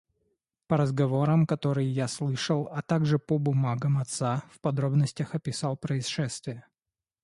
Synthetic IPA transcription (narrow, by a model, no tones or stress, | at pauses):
pəɾəzɡɐvo̞ɾəmkɐt̪o̞ɾɨjjaslˠɨʂəlˠɐt̪aɡʐɨpəbʊmaɡəmɐt̪safpɐd̪ɾo̞bnəsʲtʲəxɐpʲɪsalˠpɾəɪsʂɛst̪vʲɪjə